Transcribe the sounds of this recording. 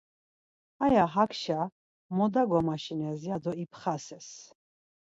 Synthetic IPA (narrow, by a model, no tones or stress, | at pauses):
ajaɦakʰʃa | mɔd̪aɡɔmaʃinɛziad̪ɔipʰχasɛs